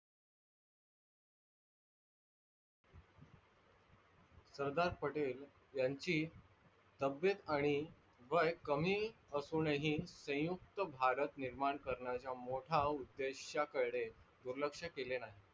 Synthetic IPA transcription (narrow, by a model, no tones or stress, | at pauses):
səɾd̪aɾpəʈel | jaɲt͡ɕiː | t̪əbjət̪aɽ̃i | ʋəjkəmiːəsuneɦiːsə̃j̃juk̚t̪əbʱaɾət̪niɾmaɳkəɾɳat͡ɕjamoʈʰaud̪ːeɕjakəɭɽed̪uɾləkʂəkelenaɦi